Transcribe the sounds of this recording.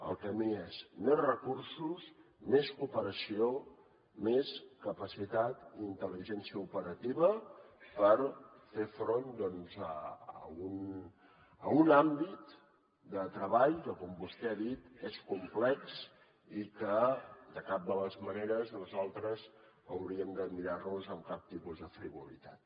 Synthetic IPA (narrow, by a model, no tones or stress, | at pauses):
ə̰lˠkəmiezmezrəkuɾsus | meskupəɾəsio | meskəpəsit̪at̪iint̪əliʒɛnsiəupəɾət̪iβəpəɾ | fefɾond̪ɔnzə̰əun | əunambit̪ | d̪ət̪ɾəβaʎkəkɔmbust̪ɛaðit̪eskumplɛks | ikəd̪əkap̚d̪ələzməneɾəzləzalˠt̪ɾəz | əwɾiəmd̪əmiɾarnuzəmkap̚t̪ipuzðəfɾiβulḭt̪at̪̚